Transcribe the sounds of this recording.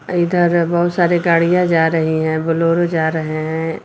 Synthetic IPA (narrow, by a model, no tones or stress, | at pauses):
id̪əɾbɐɦʊt̪saːɾeɡaːɽ̤ijãd͡ʒaːɾəɦiɦɛ̃bʊloːɾod͡ʒaːɾəɦɛɦɛ̃